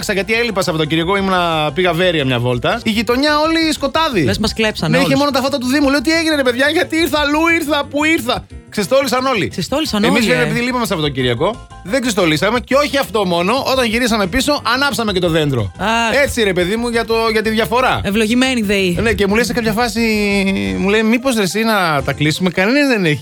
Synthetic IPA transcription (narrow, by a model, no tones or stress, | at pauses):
ksɐʝɐt̪ielipɐsɐfot̪ociɾiɐko̞imunɐpiɣɐve̞ɾiɐmɲɐ̰vo̞lt̪ɐiʝit̪o̞ɲɐo̞lisko̞t̪ɐðimezmɐsklepsɐneiçemo̞not̪ɐfot̪ɐt̪̬uðimuleot̪ieʝineɾepe̞ðʝɐʝɐt̪iiɾθɐluiɾθɐpuiɾθɐ | ksest̪o̞lisɐno̞lḭksest̪olisɐnemizvemɾepiðilipɐmes̬ɐfot̪ociɾiɐko̞ | ðeɡzist̪o̞lisɐme̞ceo̞çiɐft̪o̞mo̞no̞ʔo̞t̪ɐɲʝiɾisɐme̞piso̞ʔɐnɐpsɐmece̞t̪o̞ðe̞nd̪ɾo̞̰ɐe̞t͡siɾe̞pe̞ðimuʝɐt̪o̞ʝɐt̪̬iðʝɐfo̞ɾɐevloʝimeniðeine̞ce̞mulesekɐapçɐfɐsi | mule̞jmipo̞zðesinɐt̪ɐklisume̞kɐnenɐzðeneçi̥